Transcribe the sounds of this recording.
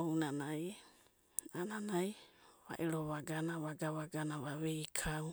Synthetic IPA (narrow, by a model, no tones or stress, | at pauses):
ownanaj | ananajβa̰ʔiɾoβaɡanaβaɡaβaɡanaβaβejkʰaw